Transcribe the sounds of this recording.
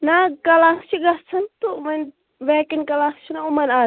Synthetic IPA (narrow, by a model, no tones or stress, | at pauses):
nakɐlaːst͡ʃʰiɡɐsʰɐnt̪umɐn | ʋekinkɐlast͡ʃʰinɐumɐnaː